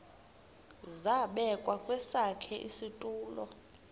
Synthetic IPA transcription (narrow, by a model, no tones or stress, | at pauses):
zaɓɛkʼwakʼwɛsakʰɛʔisitʼuːlɔ̰